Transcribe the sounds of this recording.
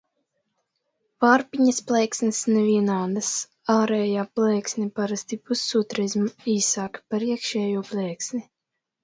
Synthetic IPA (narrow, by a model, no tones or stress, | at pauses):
vaɾpiɲasplɛːksnisnɛviɛnaːd̪as | aːɾɛːjaːplɛːksnʲipaɾast̪ipusːut̪ɾizmiːsaːkpaɾiɛkʃɛːjuɔplˠɛːksni